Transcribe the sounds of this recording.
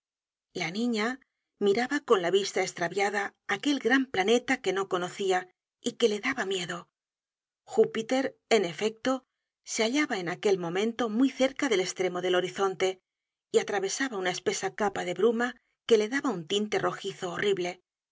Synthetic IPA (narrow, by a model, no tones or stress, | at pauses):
lanĩɲa | miɾaβako̞nlaβist̪aest̪ɾaβjaðaːke̞lɡɾamplane̞t̪ake̞no̞ko̞no̞θia | ike̞le̞ðaβamje̞ðo̞ | xupit̪e̞ɾe̞ne̞fe̞k̚t̪o̞ | seaʎaβaenake̞lmõ̞mẽnt̪o̞mujθe̞ɾkaðe̞le̞st̪ɾe̞mo̞ðe̞lo̞ɾiθo̞nt̪e̞ | iat̪ɾaβe̞saβaunae̞spe̞sakapaðe̞βɾuma | ke̞le̞ðaβaunt̪int̪e̞ro̞xiθo̞ːriβle̞